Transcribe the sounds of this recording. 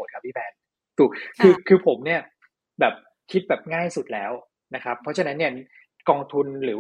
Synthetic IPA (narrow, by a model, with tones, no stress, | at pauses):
t̪̚ʰːiː˥˩ɛː˨˧n | t̪u˨˩kʰɯː˧kʰɯː˧pʰo˩˦mni˥˩ɐ | bɛː˨˩p̚ | kʰi˦˥t̪̚bɛː˨˩p̚ŋaː˥˩jsu˨˩t̪̚lɛ̰ː˦˥w | na˦˥kʰɾa˦˥pʰːɔ˦˥t͡ɕʰa˧na˦˥nːi˥˩ɐn˥ | kɔː˧ŋt̪ʰu˧nɾɯː˩˦